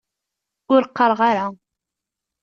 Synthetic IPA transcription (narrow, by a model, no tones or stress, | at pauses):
ʊɾqːəɾˤʁaɾa